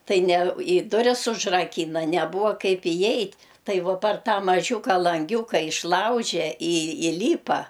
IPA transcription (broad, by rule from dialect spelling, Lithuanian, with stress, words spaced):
ˈtɐɪ nʲɛ ɪ ˈdʊrʲɪs ʊʒrɐˈkʲiːnɐ nʲɛˈbʊʋɐ ˈkɐɪp ɪˈjɛɪtʲ ˈtɐɪ ˈʋoː pɐr ˈtɑː mɐˈʒʲuːkɐ lˠɐŋʲˈɡʲuːkɐ ɪʃˈlˠɐʊʒʲɛ ɪ ɪˈlʲiːpɐ